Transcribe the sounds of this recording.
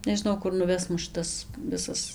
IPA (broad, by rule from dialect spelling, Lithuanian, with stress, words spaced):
nʲɛʒʲɪˈnɐʊ ˈkʊr nʊˈʋʲɛs ˈmʊs ˈʃʲɪtɐs ˈʋʲɪsɐs